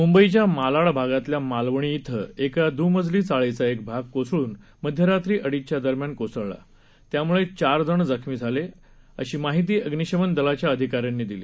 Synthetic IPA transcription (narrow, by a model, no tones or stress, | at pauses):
mumbəit͡ɕjamalaɭbʱaɡat̪ljamalʋəɳ̃iːt̪ʰə̰ekad̪uːməd͡zliːt͡saɭet͡saek̚bʱaɡ̚kosɭuːn | məd̪ʱjəɾat̪ɾiːʔəɽit͡ɕjad̪əɾmjankosəɭla̰ | t̪jamuɭet͡ɕaɾd͡zəɳd͡zəkʰmiːd͡zʱale | ə̰ɕiːmaɦit̪̬iːəɡniɕəʋənd̪əlat͡ɕjaəd̪ʱikaɾjanːiːd̪iliː